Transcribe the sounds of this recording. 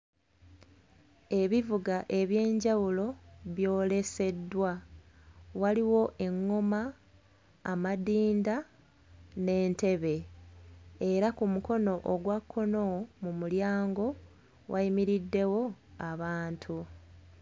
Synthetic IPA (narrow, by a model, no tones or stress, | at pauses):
e̞βivuɡaʔe̞βje̞ːɲɟawulo̞βjo̞ːle̞se̞dːwa | waliwo̞ʔe̞ŋːo̞maː | madiːnda | ne̞ːnte̞βe̞ | eɾakumuko̞no̞ʔoɡwakʰːo̞nomumuljaːŋɡo̞ | wʔaimiɾidːe̞wo̞aβaːntʰu